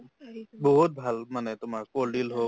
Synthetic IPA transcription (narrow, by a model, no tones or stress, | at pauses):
boɦut̚bʱalmanɛtʊmaɹkolɖilɦo